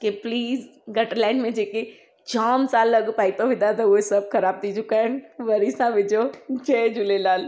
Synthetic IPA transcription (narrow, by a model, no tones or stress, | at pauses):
kepliːzɡɐʈəɾlãːɪɳɖmẽd͡ʒeːke | d͡ʒaːmsaːlːɐɡpaːit̪oʋɪd̪ad̪aoesɐbkɐɾaːb̚t̪it͡ʃʊkaɛnʋɐɾisãʋɪd͡ʒot͡ʃɛːd͡ʒʊlelaːl